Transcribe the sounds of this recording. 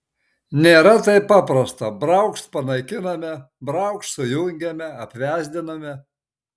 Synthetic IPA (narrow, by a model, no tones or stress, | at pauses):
nʲeːɾɐt̪ɐɪpɑːpɾɐst̪ɐbɾɐʊkʃt̪pɐnɐɪkʲɪnɐmʲɛ | bɾɐʊkʃsʊjʊŋʲɡʲɛmʲɛɐpʲʋʲæːzʲd̪ʲɪnɐmʲɛ